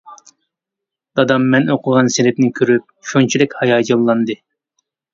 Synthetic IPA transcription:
d̪̥ɑd̪ɑmːɛnoqʰʊʁɑnselɪp̚nɪkʲʰøɾyp̚ʃunt͡ʃʰid̪ɛkʲhɑjɑːd͡ʒɑlˠːɑnd̪ɨ

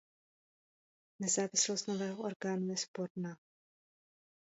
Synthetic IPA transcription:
nɛzaːvɪslost̪novɛːɦoʔoɾɡaːnujɛspoɾnaː

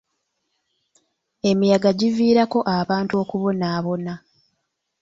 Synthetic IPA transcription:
e̞mijaɡaɟiviːɾako̞ʔaβaːntuo̞ːkuβo̞naːβo̞na

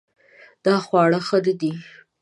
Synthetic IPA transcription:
d̪̥ɑxwɑɽəxəd̪əd̪i

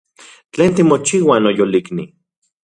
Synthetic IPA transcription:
t͡ɬeːnt̪imot͡ʃiːwanojolikni

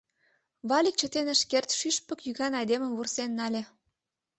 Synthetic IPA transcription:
βɑlʲik̚t͡ɕə̆t̪enə̆ʃkert̪ʃyʃpə̆kjyɣɑnɑjd̪eməmvursenːɑlʲĕ

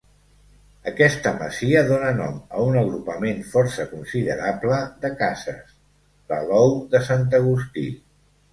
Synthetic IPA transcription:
əkɛst̪əmə̰ziəðonənɔ̰mə̰unəɣɾupəmenfɔɾsəkunsiðəɾabləðəkazə̰s | lə̰lɔwðəsant̪̬əɣ̞ust̪ḭ

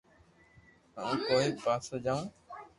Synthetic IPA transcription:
a̰ːĩːkoːiːpaːsəd͡ʒaːũː

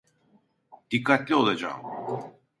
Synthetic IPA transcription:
d̪̥ikʰːat̪lʲio̞lˠad͡ʒa̰ːm

